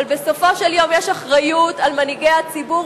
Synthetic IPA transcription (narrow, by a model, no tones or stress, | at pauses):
lbesofo̞ʃeljo̞mjeʃaχʁajutalmaniɡejat͡sibu